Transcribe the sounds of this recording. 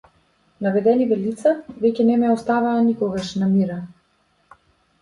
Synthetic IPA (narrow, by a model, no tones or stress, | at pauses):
navɛd̪ɛnivɛlit̪savɛcɛnɛmɛɔst̪avaːnikɔɡaʃnamiɾa